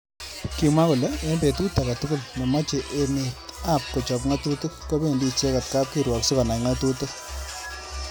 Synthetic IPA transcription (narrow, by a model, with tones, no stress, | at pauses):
ki˨ma˦ku˨le˦e˦nbe˨tu˦ta˨ka˨tu˦kʊ˦lne˨ma˦t͡ʃe˨ʔe˨ne˨ta˦˨p̚kɔ˨t͡ʃɔ˨pŋa˦tu˦tu˦kːɔ˦be˦˨ndi˦t͡ʃe˦ka˨t̚ka˦p̚ki˦ɾwɔ˨ksu˦ka˨na˨ŋa˦tu˦tʊ˦k̚